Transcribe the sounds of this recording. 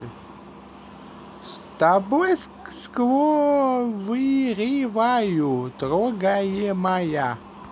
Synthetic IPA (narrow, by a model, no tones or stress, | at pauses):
st̪abojsskvo | vɨɾʲivajut̪ɾoɡajemaja